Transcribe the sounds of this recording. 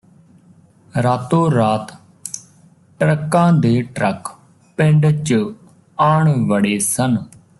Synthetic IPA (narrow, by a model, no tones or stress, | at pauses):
ɾaːt̪õːɾaːt̪ | ʈɾəkːãːd̪eːʈɾək | pɪ̃ɳɖt͡ʃ | aːɳʋəɽeːsən